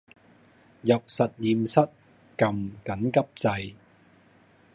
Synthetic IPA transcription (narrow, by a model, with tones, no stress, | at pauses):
jɐ˨p̚sɐ˨t̚jiː˨msɐ˥t̚ | kɐ˨mkɐ˨˥nkɐ˥p̚t͡sɐ˧j